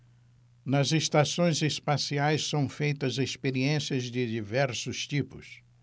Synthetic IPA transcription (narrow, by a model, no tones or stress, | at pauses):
nɐzest̪asõj̃zespasiajssɐ̃w̃fejt̪ɐzespeɾiẽsiɐzd͡ʒɪd͡ʒivɛɾsʊst͡ʃipʊ̰s